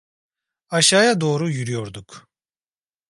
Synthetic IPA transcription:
aʃaːjad̪o̞ːɾujyɾyjo̞ɾd̪uk

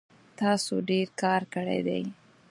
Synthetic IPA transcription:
t̪ɑsoɖeɾkɑɾkəɽḛd̪ḛj

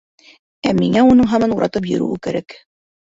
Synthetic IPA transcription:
æmiŋæunɤɴɦɑmɑnuɾʔɑ̰t̪ɤp̬jɵ̰̆ɾṵwɘkɘɾæk

